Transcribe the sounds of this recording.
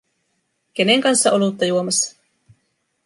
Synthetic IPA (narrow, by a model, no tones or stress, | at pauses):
k̟e̞neŋkɑnsːɑʔo̞lut̪ːɑjuomɑsːɑ̥